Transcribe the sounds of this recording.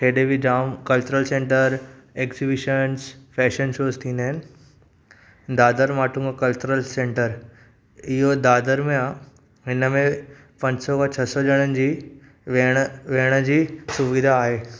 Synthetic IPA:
ʈeːɗebiɖaːmkɐlt͡ɕuɾəlsẽːɳʈəɾeːkzibɪʃənsfɛːʃənʃoːzt̪ʰĩːnd̪əɦɪnɪ̆ | d̪aːd̪əɾmaːʈʰumãkɐlt͡ɕʊɾəlsẽːɳʈəɾ | ɪɦod̪aːd̪əɾmẽã | ɦɪnəmẽ | pɐ̃ɲd͡ʑɪsɔkʰãt͡ɕʰɐsɔʄəɽ̃ənɪ̆d͡ʑiː | ʋɽ̃ʋeɦəɽ̃əd͡ʑiːsʊʋid̪ʱaːɦeː

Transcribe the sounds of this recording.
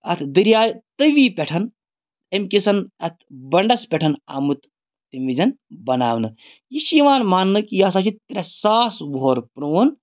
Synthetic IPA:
ɐt̪ʰd̪ɨɾjaːt̪ɨʋiːpʲeʈʰɐn | emkisɐnɐt̪ʰbɐɳɖɐspʲeʈʰɐna̰ːmut̪ | t̪imʋid͡ʒɐnbɐnaːʋnɨ | jiʃiʋaːnmaːnːɨkijaːsat͡ʃit̪ːɾʲɐsaːsboːɾpɾoːn

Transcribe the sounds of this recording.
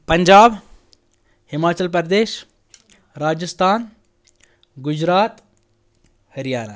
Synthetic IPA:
pɐɲd͡ʒaːb | hɪmaːt͡ʃəlpɾd̪eːʃ | ɾaːd͡ʒəst̪ʰaːn | ɡʊd͡ʒɾaːt̪ | hɐɾjaːna̰

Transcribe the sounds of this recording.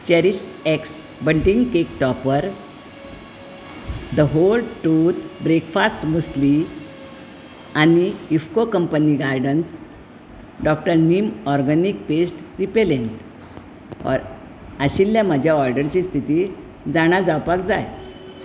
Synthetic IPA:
t͡ɕɛɾiseks | bəɳʈiŋɡkekʈɔpəɾ | d̪əɦolʈut̪bɾekfast̪məsli | aniifkokəmpəniɡaɾɖəns | ɖɔk̚ʈəɾnimɔɾɡənik̚pesʈɾipeleɳʈ | ɔ̰ɾ | əɕilːjaməd͡ʑʱjaɔɾɖəɾt͡ɕist̪ʰit̪i | d͡zaɽ̃ad͡zawpakd͡zaj

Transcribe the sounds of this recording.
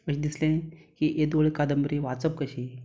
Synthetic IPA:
əɕĩd̪islẽkiʔed̪oɭekad̪əmbəɾiʋat͡səp̚kəɕi

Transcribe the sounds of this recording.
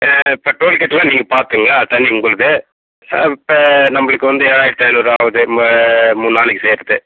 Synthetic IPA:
ɪpːɐʈoːlkɛʈːlãːniːŋɡɐpaːɾt̪ɯŋɡɐlat̪ːɐnːiʊŋkːʊɭɐðɯ | pːɐnɐmːɐɭɯkːɯʋɐnd̪ɯeːɾaːjɪɾɯt̪ːɐnoɾɯaːʋɐðɯ | muːnːaːlɯkːɯseːɾðɯ

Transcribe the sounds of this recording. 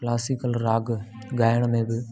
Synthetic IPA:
klaːsɪkəlɾaːɡ | ɡaːjəɽ̃mẽbɪ

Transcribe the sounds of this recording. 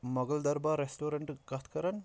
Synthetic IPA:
mɐɡɐld̪ɐɾbaːɾesʈoːɾeɳʈɡɐt̪ʰkɐɾɐn

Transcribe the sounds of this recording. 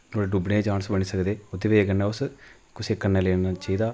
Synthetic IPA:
noːɽeɖubɽẽːd͡ʒaːnsbəɳ̃iːsəkd̪eːʊd̪eːʋeeːkənɛːʊs | kʊseːkənːeːleːnnaːt͡ʃəiːd̪aː

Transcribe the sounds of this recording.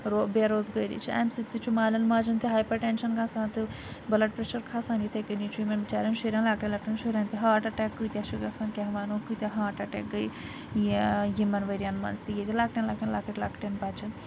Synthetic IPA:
ɾobeɾoːzɡəjɾḭt͡ʃʰia̰ːmsit̪ːit͡ʃʰumaːlʲɐnmaːd͡ʒɐnt̪ʰɨɦaːjpɐʈeːnʃɐnkʰaːsaːnt̪ɨ | bɐlɐʈ̚pɾeʃɐɾkʰaːsaːnjit̪ʰɐjkənit͡ʃʰujimɐnʋit͡ʃaːɾʲjɐnʃuɾʲaːnlaːk̚ʈɐnlaːk̚ʈɐnʃuɾʲaːnt̪iɦaːʈɐʈɛːkːɨjt̪ʲaʃiɡasaːnkʲaɦʋaːnoːkɨt̪ʲaɦaːʈɐʈɛ̰ːk̚ɡɐj | jijimɐnʋɐɾʲjanmɐ̰nzt̪ijet̪ʲilaːk̚ʈɐnlaːk̚ʈɐnlakɐʈʲlaːkʈenpaːt͡ʃɐn

